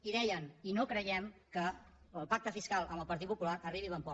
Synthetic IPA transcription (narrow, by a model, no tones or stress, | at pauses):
iðɛjəninokɾəjɛmkəː | lˠpak̚t̪əfiskalˠə̰mbəlˠpəɾt̪it̪̚pupulaɾəriβiləmpɔ